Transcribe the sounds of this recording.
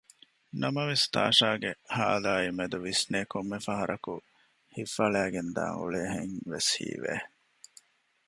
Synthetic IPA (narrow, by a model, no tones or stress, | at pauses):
nɐmɐʋest̪a̰ːʂaːɡehaːlaːimed̪uʋisneːkomːefɐɦɐɾʔɐku | hifɐɭæːɡend̪a̰ːŋṵɭeːɦeŋʋeshḭːʋḛː